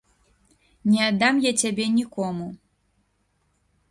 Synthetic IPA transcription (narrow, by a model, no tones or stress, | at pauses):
nʲɛad̪amjat͡sʲabʲɛnʲikɔmu